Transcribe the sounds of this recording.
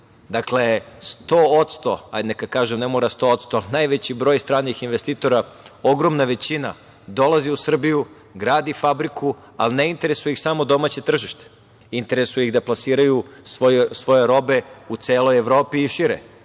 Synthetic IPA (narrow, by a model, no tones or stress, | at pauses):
d̪akle̞st̪oot̪st̪o̰a̰jd̪nekad̪kaːʒemnemoːɾast̪o̞ot̪st̪oalinajʋet͡ɕibɾo̞ːjst̪ɾaːnixinʋest̪iːt̪o̞ɾao̞ɡɾo̞mnaʋe̞t͡ɕina̰ | d̪o̞lˠaziusr̩biju | ɡɾaːd̪ifabɾikʰu | a̰lineint̪e̞ɾesujixsamo̞d̪o̞maːt͡ɕe̞t̪r̩ʒiʃt̪e̥ | int̪e̞ɾesujiɣd̪aplˠasiːɾajusʋosʋo̞jeɾo̞be̞ut̪seːlojeʋɾoːpiːʃiɾḛ